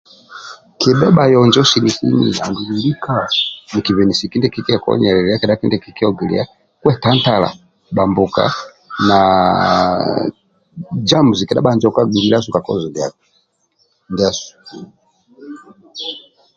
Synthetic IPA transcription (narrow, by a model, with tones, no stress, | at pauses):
ki˨ɓɛ˦ɓa˨jɔ˨nd͡ʒɔ˦si˨li˨si˦nḭ˨a̰˨ndu˨li˨li˦kani˨ki˨vɛ˨ni˨si˨ki˦ndɛ˦ki˦ki˦akɔ̰ɲɛ˨ɾɛ˨ɾi˦a˦kɛ˨ɗa˦ki˦ndɛ˦ki˨ki˦ɔɡi˨lḭa˦ | kwɛ˦ta˦nta˨la̰˨ | ɓa˨mbuka̰˦ | na | d͡ʒa˦mu˨zi˨kɛ˨ɗa̰˦ɓa˨nd͡ʒɔ˦ka˦ɡi˨li˦la˦su˨ka˨kɔ̰˦zɔ˨ndi˨a̰˨ | ndi˨a˦su̥